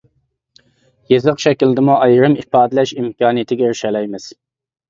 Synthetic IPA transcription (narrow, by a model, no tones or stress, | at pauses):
jezɨqʃɛkʲild̪ɨmuʔɑjɾɨmipɑːd̪ɨlɛʃimkɑːnɨjɪt̪ʰɪɡʲɛɾʃɛlɛjmɪz̥